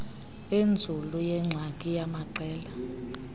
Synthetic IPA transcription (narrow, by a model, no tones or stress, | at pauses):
end͡zʱulujɛŋ͡ǁʱakʼijamaǃɛːla